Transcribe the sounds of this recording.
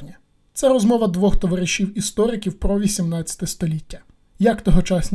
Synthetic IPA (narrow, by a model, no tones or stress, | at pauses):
nʲɐ | t̪sɛɾɔzmɔʋɐd̪ʋɔxt̪ɔʋɐɾɪʃiwist̪ɔɾɪkʲiwpɾɔʋʲisʲimnɑt͡sʲɐ̥t̪ɛst̪ɔlʲitʲːɐ̥ | jɐkt̪ɔɦɔt͡ʃɑsʲnʲ